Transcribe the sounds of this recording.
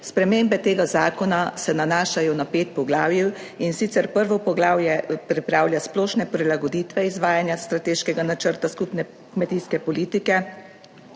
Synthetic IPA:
spɾɛmeːmbɛt̪eːɡazaːkɔnasɛnanaːʃajɔnapeːt̪̚pɔɡlaːwjiwinsit̪sɛɾpəɾʋɔpɔɡlaːwjɛpɾipɾaːwljasplɔːʃnɛpɾilaɡɔd̪iːt̪ʋɛizʋaːjanjast̪ɾat̪eːʃkɛɡanat͡ʃəɾt̪askupnɛ | kmɛt̪iskɛpɔliːt̪ikɛ

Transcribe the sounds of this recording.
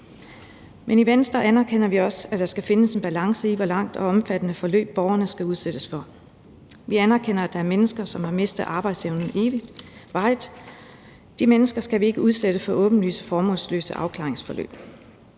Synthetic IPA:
meniʋensd̥ʁɐænæɐkʰen̰ɐʋiɒ̽sæd̥ɑ̈sɡ̥æfe̝nəse̝nb̥ælɑ̈ŋsəiʋɒ̽lɑ̈ŋ̰d̥ɒ̽ɒ̽mfæd̥ənəfɒ̽lø̰ːb̥ːɒʊɐnəsɡ̥æuð̞ˠsed̥əsfɒ̽ | ʋiænæɐkʰen̰ɐæd̥ɑ̈æɐmenəsɡ̥ɐsɒ̽mhɑ̈me̝sd̥ðˠʔɑ̈ːb̥ɑ̈ɪd̥seʊnn̩e̝ːʋid̥ʋɑ̈ɪd̥ | d̥imenəsɡ̥ɐsɡ̥æʋie̝ɡ̥əuð̞ˠsed̥əfɒ̽ʔɔ̽ːb̥n̩ly̰ːsə̥fɒːmɔ̽ːlslø̰ːsəʔɑ̈ʊkʰlɑ̈ːeŋsfɒ̽lø̰ːb̥

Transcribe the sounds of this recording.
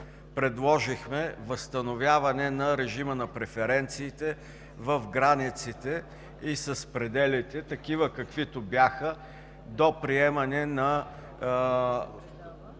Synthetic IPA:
pɾɛd̪lˠɔʒixmɛvəst̪ɐnovʲjavɐnɛnɐɾɛʒimənɐpɾɛfɛɾɛnt̪siːt̪ɛ | vəfɡɾanit̪sit̪ɛ | isɐspɾɛd̪ɛlit̪ɛt̪ɐkivəkɐkvit̪ʊbjaxə | d̪opɾiɛmɐnɛnɐ

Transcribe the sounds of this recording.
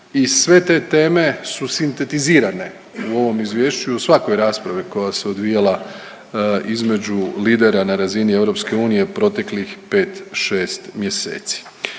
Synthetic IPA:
isʋe̞t̪e̞ːt̪e̞ːme̞susint̪e̞t̪iziːɾane̞ | uo̞ʋo̞mizʋjeːʃt͡ɕuosʋako̞jɾaːspɾaʋiko̞jase̞od̪ʋijala | izme̞d͡ʑuliːd̪e̞ɾanaɾazinie̞ʋɾo̞pske̞uːnije̞pɾo̞t̪e̞klixpe̞ːt̪ʃe̞ːst̪mje̞sḛːt̪si̥

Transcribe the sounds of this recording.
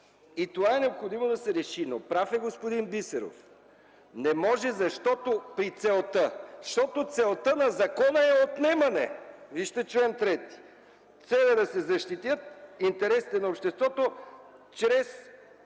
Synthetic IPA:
it̪ovaɛnɛopxod̪imod̪ɐsɛɾɛʃinopɾafɛɡospod̪inbisɛɾo̰f | nɛmɔʒɛzɐʃt̪ɔt̪opɾit̪sɛlˠt̪əʃt̪ɔt̪ot̪sɛlˠt̪ənɐzɐkɔnəɛot̪nɛmɐnɛ̰viʃt̪ɛt͡ʃulɛnt̪ɾɛt̪i̥ | t̪sɛlˠɛd̪ɐsɛzɐʃt̪it̪jət̪̚int̪ɛɾɛsit̪ɛnɐopʃt̪ɛst̪vɔt̪ot͡ʃɾɛs

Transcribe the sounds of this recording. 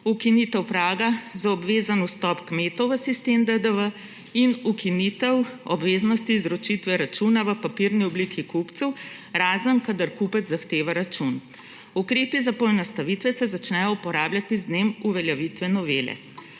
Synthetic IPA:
ukinit̪ɛwpɾaːɡazaɔbʋeːzanust̪ɔpkmeːt̪ɔwʋəsist̪emd̪əd̪əʋə | inukinit̪ɛwɔbʋeːznɔst̪iːzɾɔt͡ʃit̪ʋɛɾat͡ʃunaʋəpapiɾniɔblikikupt̪sɛw | ɾaːzənkad̪aɾkupəd̪zzaxt̪eːʋaɾat͡ʃun | ukɾeːpizapɔɛnɔst̪aʋit̪ʋɛsɛzat͡ʃnɛjɔupɔɾaːbljat̪iznemuʋɛljaʋit̪ʋɛnɔʋeːlɛ̰

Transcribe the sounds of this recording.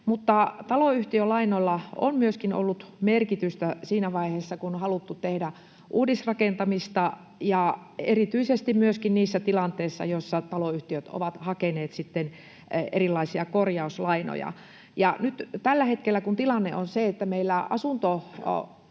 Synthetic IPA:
mut̪ːɑt̪ɑloyht̪iølɑinolːɑo̰nmyøskino̰lːut̪merkit̪yst̪æsiːnæʋɑiheːsːɑkunhɑlut̪ːut̪ehdæ | ʔuːdisrɑkent̪ɑmist̪ɑ | jɑerit̪yisest̪immyøskinniːsːæt̪ilɑnt̪eisːɑ̰joisːɑt̪ɑloyht̪iøt̪o̰ʋɑt̪hɑkeneːt̪sit̪ːen | ḛrilːˑɑisiɑkorjɑuslɑino̰jɑ̰ | jɑnyt̪t̪ælːæhet̪kelːækunt̪ilɑnːeʔonseet̪ːæmeilːæɑ̰sunt̪o

